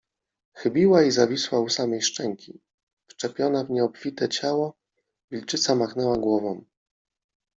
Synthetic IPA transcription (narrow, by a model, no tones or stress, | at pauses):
xɘbʲiwaizavʲiswausamɛjʂt͡ʂɛŋkʲi | ft͡ʂɛpʲjɔnavɲɛɔpfʲit̪ɛt͡ɕawɔ | vʲilt͡ʂɘt̪samaxnɛwaɡwɔvɔm